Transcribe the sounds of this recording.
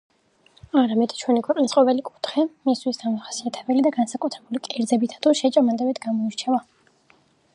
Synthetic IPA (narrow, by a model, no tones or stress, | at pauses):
aɾamɛd̪̥t͡ʃʰwɛnikʰwɛqʼnisqʼɔvɛlikʼu̥t̪ʰχɛmist̪ʰwisɡ̪amɔχḁsiat̪ʰɛbɛlid̪aɡansakʼut̪ʰɾɛbulikʼɛɾd̪zɛbit̪ʰḁt̪ʰuʃɛt͡ʃʼamand̪ɛbɛd̪ɡamɔiɾt͡ʃʰɛva